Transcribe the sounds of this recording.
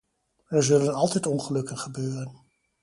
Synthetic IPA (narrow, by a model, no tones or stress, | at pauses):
ɛɹzɵlənɑlˠtɛjtɔnχəlɵkənχəbøːrən